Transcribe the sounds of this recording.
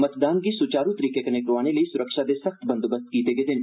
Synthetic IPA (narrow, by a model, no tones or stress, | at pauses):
mɐt̪d̪aːnk̬isʊt͡ʃaːɾũt̪əɾiːkekɐnekɾʋaːneliisʊɾəkʃad̪esɐxt̪bɐ̃nd̪obəst̪̚kiːt̪eɡed̪ɪn